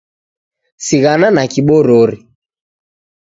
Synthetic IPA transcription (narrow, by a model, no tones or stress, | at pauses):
siɣananakiɓɔɾɔɾi